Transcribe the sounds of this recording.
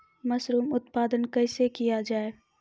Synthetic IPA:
mɐsɾuːmʊt̪paːd̪ənkɐːsekijad͡ʒaːe

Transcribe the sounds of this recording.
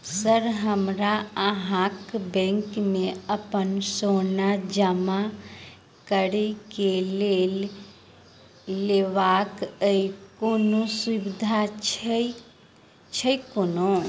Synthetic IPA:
səɾɦəmɾaəɦãkbɛ̃ŋkmẽəpənsonad͡ʒəma | kəɾekelel | leʋakəikonoswibid̪ʱat͡ʃ | t͡ʃʰəjkono

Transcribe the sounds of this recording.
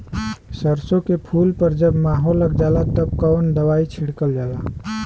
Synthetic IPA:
səɾsõkepʰuːlpəɾd͡ʒəbmaːɦolːəɡd͡ʒalat̪əb̚kɔːnd̪əwait͡ʃʰiɽkəld͡ʒaːla

